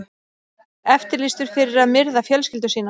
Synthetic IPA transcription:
ɛft̪ɪɾlɪst̪ʏɾ̥fɪɾɪɾaðmɪɾðafjœlscɪlt̪ʏ̥siːna

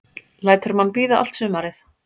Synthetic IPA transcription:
laːjt̪œɾmanːpiːðaʔa̰l̥t̪sʏːmaɾɪθ

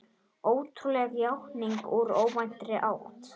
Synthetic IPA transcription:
oːwt̪ʰɾulɛɣjawhniŋkuɾoːwmajn̥t̪ɾɪʔaw̰t̪

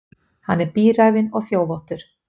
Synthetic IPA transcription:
hanːɛɾpiːɾajvɪnɔɣθjoːwvɔwht̪ʏɾ̥

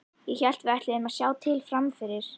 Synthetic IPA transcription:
jɛçɛl̥t̪vɛht̪lɪðɪmaðsjaːwt̪ʰɪlfɾamfɪɾɪɾ̥

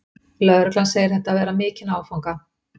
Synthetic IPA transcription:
lœðɾʏklanseːjɪ̥ɾ̥θɛht̪ːavɛːɾamɪːcɪnaːwfawŋka

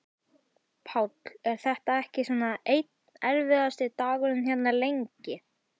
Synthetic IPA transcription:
pʰawt̪l̥ɛɾ̥θɛht̪aɛhcɪsuːnːaejt̪n | ɛɾvɪðast̪ɪt̪aːɣʏɾʏnçjɛt̪naɾlejɲcɪ

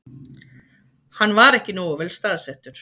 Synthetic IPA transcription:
hanːvaɾɛhcɪnoːwvɛlst̪aːðsɛht̪ʏɾ̥

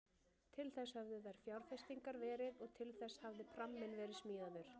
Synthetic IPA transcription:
t̪ʰɪlθɛshœvðʏðaɾ̥fjawɾ̥fɛst̪iŋkaɾvɛːɾɪðɔɣt̪ʰɪlθɛshavðɪpʰɾamːɪnvɛːɾɪðsmiːðaðʏɾ̥

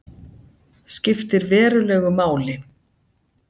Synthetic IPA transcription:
scɪft̪ɪɾvɛːɾʏlɛːɣʏmaːwlɪ

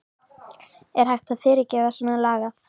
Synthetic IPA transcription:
ɛɾ̥hajht̪θaðfɪːɾɪɾcɛːvasanalaːɣaθ

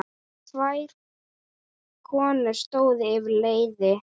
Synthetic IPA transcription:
t̪ʰvajɾ | kʰɔːnʏɾ̥st̪oːwðɪːvleːjðɪ

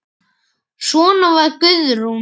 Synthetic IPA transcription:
sɔːnavaɾkʏðɾu

